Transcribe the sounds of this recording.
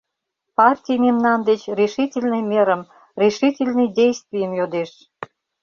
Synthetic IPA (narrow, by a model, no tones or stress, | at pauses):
pɑrtʲijmemnɑnd̪et͡ɕrʲiʃitʲelʲnɨjmʲeɾəm | rʲiʃitʲelʲnɨjdʲejst̪vʲijəmjod̪eʃ